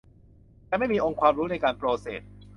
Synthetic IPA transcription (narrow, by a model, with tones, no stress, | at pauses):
tɛː˧˩ma˥˩jmiː˧ʔo˧ŋkʰwaː˧mɾuː˦˥na˧jkaː˧npɾoː˧sḛː˨˩t̪̚